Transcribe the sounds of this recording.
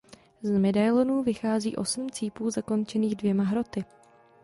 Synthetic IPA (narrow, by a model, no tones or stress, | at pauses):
zmɛdajlonuːvɪxaːziːʔo̞̰sm̩t͡siːpuːzako̞nt͡ʃɛniːɣdvjɛmaɦɾo̞t̪ɪ